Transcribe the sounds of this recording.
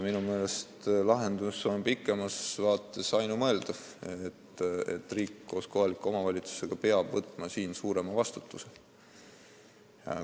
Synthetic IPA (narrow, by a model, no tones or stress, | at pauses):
minume̞ːle̞st̪lɑɦe̞nd̪usonpikːˑe̞mɑsvɑːt̪ːˑe̞sɑjnumɤe̞ld̪̥ɑfet̪ːe̞̰t̪ːˑriːkːo̞ːsko̞ɦɑlikːˑuo̞mɑvɑlʲit̪su̥se̞ɡ̥ɑpe̞ɑb̥vɤt̪ːˑmɑsiːnsuːɾe̞mɑvɑst̪ut̪ːˑuse | jɑ̰